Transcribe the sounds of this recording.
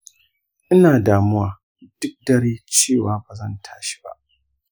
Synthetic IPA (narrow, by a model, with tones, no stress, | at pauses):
ʔɪ˦naː˨daː˨mʊ˦waː˨ | d̥ʊ˦k̚dɐ˦ɽeː˦t͡ʃeː˦˨waː˨baː˨zɐ˦˨ntʰḁː˦ʃi̥˦ba̰˦ʔ